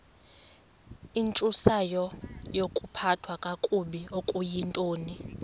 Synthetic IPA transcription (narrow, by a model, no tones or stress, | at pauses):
int͡ʃʼusajɔjokʼupʰatʰwakʼakʼuɓiokʼujintʼoːni